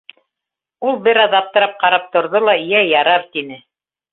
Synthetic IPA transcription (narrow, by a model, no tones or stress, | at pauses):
ulˠbɘɾæðɑp̚t̪ɤ̆ɾɑp̚qɑɾɑp̚t̪ŏɾðolˠɑĭjæjɑɾɑɾt̪inɘ